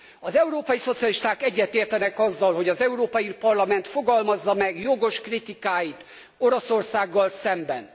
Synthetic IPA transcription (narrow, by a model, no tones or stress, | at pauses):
ɒzɛuɾoːpɒjiso̞t̪siɒliʃt̪aːkɛɟːɛt̪eːrt̪ɛnɛkɒzːɒlɦo̞ɟɒzɛuɾoːpɒjipɒrlɒmɛn̪t̪fo̞ɡɒlmɒzːɒmɛɡjo̞ɡo̞ʃkrit̪ikaːjit̪ | o̞ɾosorsaːɡːɒlsɛmbɛn